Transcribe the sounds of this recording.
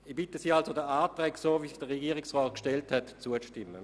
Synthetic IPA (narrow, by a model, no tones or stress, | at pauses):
ib̥ɪtəsiːalsodəaːtʁɛːksoːviːsd̥əʁeɡiːəʁɪksʁɔːt̚kʃtɛlthɛtt͡suəʃtɪmːə